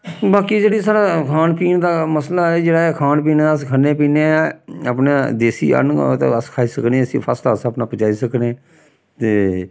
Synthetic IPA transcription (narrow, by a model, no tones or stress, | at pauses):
baːkiːd͡ʒeːɽiːsaːɽaːkʰaːnpiːnd̪aːməslaːɛːd͡ʒeːɽaːɛkʰaːnpiːneːəskʰəneːpiːneaːpneːd̪eːsḭːə̰nt̪ḛəskʰaːiːsəkneːəsḭ̃ːpʰaːslaəsəpnaːpət͡ʃaːiːsəknẽː | t̪eː